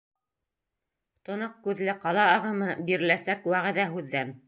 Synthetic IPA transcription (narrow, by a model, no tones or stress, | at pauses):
t̪ŏnɤq̚kʉðlɘqɑlˠɑɑʁɤ̆mɤbiɾɘ̆læsækwæʁɘ̆ðæɦʉðːæn